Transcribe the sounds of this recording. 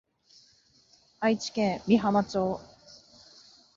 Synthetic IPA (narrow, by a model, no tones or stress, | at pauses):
ait͡ɕi̥kẽ̞ŋmʲiɦamat͡ɕo̞ː